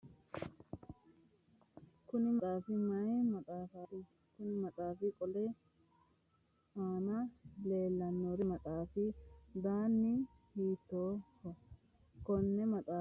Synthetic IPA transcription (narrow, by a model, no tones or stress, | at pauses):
kʊnɪmtʼaːfɪmɐjmɐt̪ʼaːfat̪ɪ | kʊnɪmɐt̪ʼaːfɪkʼɔlɛ | aːnɐle̞ːlːɐnːɔɾɪmɐt̪ʼaːfɪd̪aːnːɪ | hiːt̪ːoːkːɔ | kɔnːɛmɐt̪ʼaː